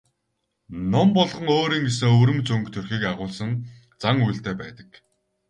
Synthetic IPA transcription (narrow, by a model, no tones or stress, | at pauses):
nɔmpɔɮʁɞ̆ŋoːɾiːŋɡes̬ɘ̆ŋɵɾɵ̆mt͡sɵŋkt̪ʰɵrxiːkaʁʊːɮsə̆n | t͡saŋujɬt̪ʰeːpæːt̪ə̥̆k